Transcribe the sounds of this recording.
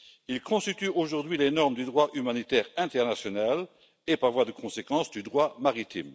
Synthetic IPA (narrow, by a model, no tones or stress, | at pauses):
ilkɔ̃st̪it̪yoʒuʁd̪ɥilenɔʁməd̪yd̪ʁwaʔymanit̪ɛːʁɛ̃t̪ɛʁnasjɔnal | epaʁvwad̪əkʰɔ̃sekɑ̃sd̪yd̪ʁwamaʁit̪ʰḭm